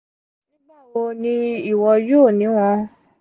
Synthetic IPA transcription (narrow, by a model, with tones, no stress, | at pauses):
nĩ˦ba˦˨wo˧nĩ˧i˦˨wɔ˧jo˦˨nĩ˨˦w̃ɔ̃˧